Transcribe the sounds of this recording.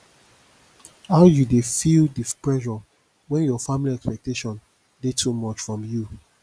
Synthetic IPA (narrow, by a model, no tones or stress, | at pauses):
haʊjudefildipɹɛʃɔ | wɛ̃njɔfamiliɛkspɛk̚teʃɔ̃n | detʰumɔt͡ʃfɹɔ̃mju